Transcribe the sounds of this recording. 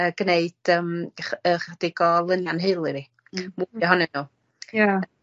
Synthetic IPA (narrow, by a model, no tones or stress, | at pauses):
əːɡ̥neɨd̥əːmχəχad̥ɪɡɔlˠənjanɦɨlˠɨvi | muɔɦɔnɛnuː | ja